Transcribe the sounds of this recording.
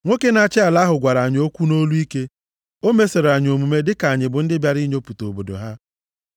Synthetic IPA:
ŋʷe˦ke˦na˨t͡ʃɪ˦a˨la˦ɦʊ˨ɡʷa˨ɾa˨ɲ˨o˦kʷu˦no˦lu˦i˦ke˦ | o˦me˦se˨ɾa˨ɲ˨o˨mu˨me˦dɪ˦ka˨ɲɪ˨bʊ˨n̩˦dɪ˦bja˨ɾi˦ɲo˦pu˨to˨bo˨do̰˨ɦa˦

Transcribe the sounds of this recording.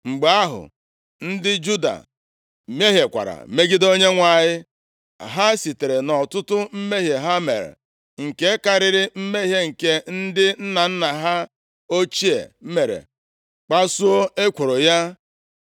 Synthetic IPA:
ŋ͡m̩˨ɡ͡ba˦ɦʊ̰˨ | n̩˦dɪ˦d͡ʒu˦da̰˨ | me˦ɦje˨kʷa̰˨ɾa̰˨me˦ɡi˦do˦ɲe˦ŋʷa˨ɲɪ˦ | ɦa˦si˨te˨ɾe˨nɔ˨tʊ˦tʊ˦m̩˦me˦ɦje˨ɦa˦mḛ˨ɾḛ˨ | ŋ̩˨ke˦ka˨ɾɪ˦ɾɪ˦m̩˦me˦ɦje˦ŋ̩˨ke˦n̩˦dɪ˦n̩˦na˨n̩˦na˨ɦa˦ | o˦t͡ʃi˦ḛ˨˦me˨ɾḛ˨ | k͡pa˦su˦o˦e˦kʷo˨ɾo˨ja˦

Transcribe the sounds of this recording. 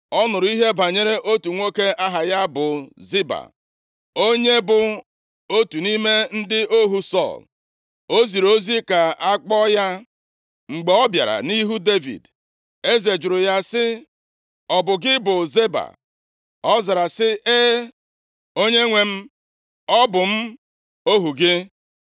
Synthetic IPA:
ɔ˦nʊ˨ɾʊ˦i˦ɦe˦ba˨ɲe˦ɾe˦ʔo˦tu˨ŋʷo˦ke˦a˦ɦa˨ja˦bʊ˨zi˦ba̰˨ | o˦ɲe˦bʊ˨ | o˦tu˨ni˦me˦n̩˦dɪ˦o˦ɦu˦sɔ̰˦˨l | o˦zi˨ɾo˦zi˦ka˨a˦k͡pɔ˦ja˦ | ŋ͡m̩˨ɡ͡be˨ɔ˦bja̰˨ɾa̰˨ni˦ɦu˦de˦vḭ˨d | e˦ze˨d͡ʒʊ˨ɾʊ˨ja˦sɪ˦ | ɔ˨bʊ˨ɡɪ˦bʊ˨ze˦ba̰˨ | ɔ˦za˨ɾa˨sɪ˦ʔe˦ | o˦ɲe˦ŋʷe˨m̩˦ | ɔ˦bʊ˨m̩˦ | o˦ɦu˨ɡɪ˦

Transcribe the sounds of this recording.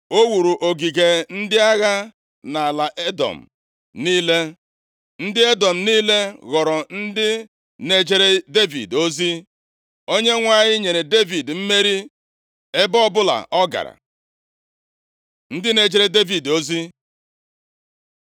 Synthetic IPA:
o˦wu˨ɾu˨ʔo˨ɡi˨ɡe˨n̩˦dɪ˦a˦ɣa˦ | na˨a˨la˨ʔe˦dɔ̰˨m̩˨ | niː˦le˦ | n̩˦dɪ˦e˦dɔ˨m̩˨niː˦le˦ɣɔ˨ɾɔ˨n̩˦dɪ˦ | ne˨d͡ʒe˦ɾe˦de˦vḭ˨do˦zi˦ | o˦ɲe˦ŋʷa˨ɲɪ˦ɲe˨ɾe˨de˦vi˨dm̩˦me˦ɾi˦ | e˦bɔ˦bʊ˦la̰˨ʔɔ˦ɡa̰˨ɾa̰˨ | n̩˦dɪ˦ne˨d͡ʒe˦ɾe˦de˦vi˨do˦zi˦

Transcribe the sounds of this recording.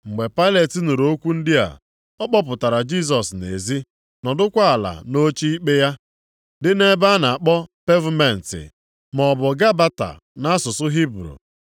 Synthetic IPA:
ŋ͡m̩˨ɡ͡be˨pa˦ɪ˦le˨ti˨nu˨ɾo˦kʷu˦n̩˦dɪ˦a̰˨ | ɔ˦k͡pɔ˦p̬ʊ˨ta˨ɾa˨d͡ʒi˦s̬ɔ˨snḛ˨zi˦ | nɔ˨dʊ˦kʷa˦a˨la̰˨no˦t͡ʃi˦i˦k͡pe˦ja˦ | dɪ˦ne˦ba˦na˨a˨k͡pɔ˦pe˦vu˦me˨n̩˨tɪ̰˨ | mɔ˨bʊ˨ɡa˦ba˦ta̰˨ | na˦a˦sʊ˨sʊ˦ɦi˦bɾṵ˨

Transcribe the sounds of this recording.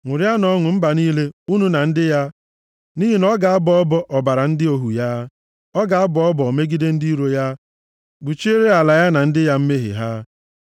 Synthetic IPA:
ŋʷʊ˨ɾja˦nɔ˦ŋʷʊ˨m̩˦ba˨niː˦le˦u˦nu˦na˨n̩˦dɪ˦ja˦ | ni˦ɦi˦nɔ˦ɡa˨a˦bɔ˦ɔ˦bɔ˦ʔɔ˨ba˨ɾa˨n̩˦dɪ˦o˨ɦu˨ja˦ | ɔ˦ɡa˨a˦bɔ˦ɔ˦bɔ˨ɔ˨me˦ɡi˦de˦n̩˦di˦ɾo˦ja˦ | bu˨t͡ʃe˦ɾe˦a˨la˨ja˦na˨n̩˦dɪ˦ja˦m̩˦me˦ɦɪ̰˨ɦa˦

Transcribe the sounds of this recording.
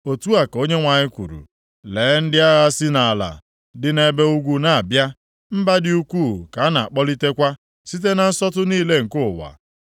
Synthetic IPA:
o˨tu˦a˨ko˦ɲe˦ŋʷa˨ɲɪ˦kʷṵ˨ɾṵ˨ | leː˨˦n̩˦dɪ˦a˦ɣa˦sɪ˦na˨a˨la̰˨ | dɪ˨ne˨be˦u˦ɡʷu˦na˨a˨bja˦ | m̩˦ba˦dɪ˦u˦kʷuː˦˨ka˨˦na˨a˨k͡pɔ˦li˦te˦kʷa˦ | si˦t̬e˦na˨n̩˦sɔ˦tʊ˦niː˦˨le˦ŋ̩˨kʊ˦˨wa̰˨

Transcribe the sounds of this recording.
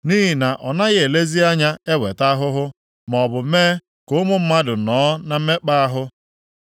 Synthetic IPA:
ni˦ɦi˨na˨ʔɔ˨na˦ɣe˨le˦zi˦a˦ɲa˦e˦we˨ta˦ɦʊ˦ɦʊ˦ | m˨ɔ˨bʊ˨m̩˦meː˦ | kʊ˦ʊ˦mʊ˦m̩˦ma˦dʊ˨nɔː˨˦na˨m̩˦me˦k͡pa˦a˦ɦʊ˦

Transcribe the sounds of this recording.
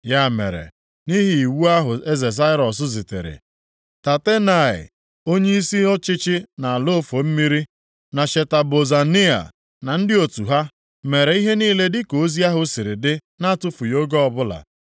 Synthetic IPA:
ja˦˨mḛ˨ɾḛ˨ | ni˦ɦi˨i˨wu˦a˦ɦʊ˨e˦ze˨z̬a˦ɪ˦ɾɔ˨s̬ʊ˦zɪ˨tḛ˨ɾɪ̰˨ | ta˨te˦na˨ɪ̰˨ | o˦ɲe˦i˦si˦ɔ˦t͡ʃɪ˦t͡ʃɪ˦na˨a˨lo˦fo˨m̩˦mi˦ɾi˦ | na˨ʃe˨ta˨bo˨za˨ni˦a̰˨ | na˨n̩˦dɪ˦o˨tu˨ɦa˦ | me˨ɾe˨i˦ɦe˦niː˦le˦dɪ˦ko˨˦zi˦a˦ɦʊ˦sɪ˨ɾɪ˨dɪ˦na˦tʊ˦fʊ˨jo˦ɡɔ˦ɔ˦˨bʊ˦la̰˨

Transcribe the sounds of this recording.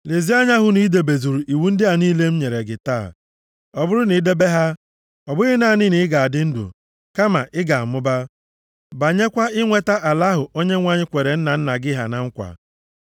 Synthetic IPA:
le˨zi˦a˦ɲa˦ɦʊ˨ni˦de˨be˨zu˨ɾu˨ʔi˨wu˦n̩˦dɪ˦a˨niː˦le˦m̩˦ɲe˨ɾe˨ɡɪ˨taː˦˨ | ɔ˨bʊ˦ɾʊ˦ni˨˦de˦be˦ɦa˦ | ɔ˨bʊ˦ɣɪ˦na˦˨nɪ˦nɪ˨˦ɪ˦ɡa˨a˨dɪ˦n̩˦dʊ̰˨ | ka˦ma˨ʔɪ˦ɡa˨a˨mʊ˦ba˦ | ba˨ɲe˦kʷa˦ɪ˦ŋʷe˦ta˦ʔa˨la˦ɦʊ˨o˦ɲe˦ŋʷa˦ɲɪ˦kʷe˨ɾe˨n̩˦na˨n̩˦na˨ɡɪ˦ɦa̰˨na˦ŋ̩˦kʷa̰˨

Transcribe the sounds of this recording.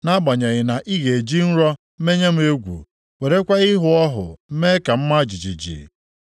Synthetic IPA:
na˦ba˨ɲa˨ɣɪ˨na˨ʔi˦ɣe˨e˨d͡ʒi˦n̩˦ɾɔ˦ | me˦ɲe˦m̩˦e˦ɡʷṵ˨ | we˨ɾe˦kʷa˦ɪ˦ɦʊ˨ɔ˦ɦʊ̰˨m̩˦me˦ka˨m̩˦ma˦d͡ʒi˨d͡ʒḭ˨d͡ʒḭ˨

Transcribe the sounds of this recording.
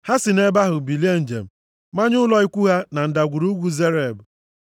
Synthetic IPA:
ha˦si˨ne˦ba˦ɦʊ˨bi˨li˦e˦n̩˨d͡ʒḛ˨m̩˨ | ma˦ɲʊ˦lɔ˦i˦kʷu˦ɦa˦na˨n̩˨da˨ɡʷu˨ɾu˦ɡʷu˦ze˦ɾe˨b

